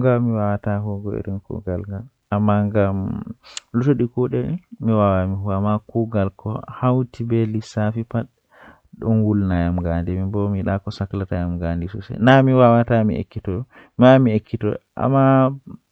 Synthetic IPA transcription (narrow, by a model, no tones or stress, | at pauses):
ŋɡamiwawataɦɔɡɔḛɾinkṵɡalŋɡal | ʔamːaŋɡam | lutoɗikɔɗɛmiwawamiɦuamːakuɡalkɔ̰hawtibɛlisafipaɗ | ɗɔnwulnajamɡandimibɔmiɗakɔsaklatajamɡandisṵsɛ̰namiwawatamḭḛkːitɔ | mamiekːitɔ̰ʔa̰mːa